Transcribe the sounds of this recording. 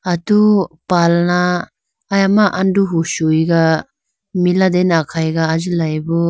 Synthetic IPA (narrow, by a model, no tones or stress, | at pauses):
at̪upalnaː | jamaʔanduɦuʃujɡa | milad̪ɛnakʰajɡaːd͡ʒɯlajbɔ